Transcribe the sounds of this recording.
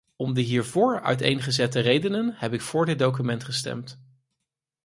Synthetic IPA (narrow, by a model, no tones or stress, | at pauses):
ɔmdəɦiːɹvʊːɹœ̰ɥtḛjnχəzɛtərejdənənhɛpɪkfʊːɹdɪd̚dowkymɛntχəstɛ̰mt